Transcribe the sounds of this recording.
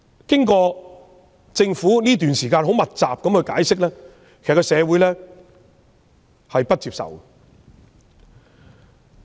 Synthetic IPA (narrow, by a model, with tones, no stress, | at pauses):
kɪ˥ŋkɔː˧ | t͡sɪ˧ŋfuː˨˥niː˥t̪yː˨nsiː˨˩kaː˧nho˨˥wmɐ˨t̚t͡saː˨p̚kɐ˨˧mkʰɵ˧jkaː˨˥jsɪ˥k̚lɛː˥ | kʰe˨˩˨kɔ˧sɛː˨˧wuː˨˥jlɛː˥ | hɐ˨jpɐ˥t̚t͡siː˧p̚sɐ̰˨˩wə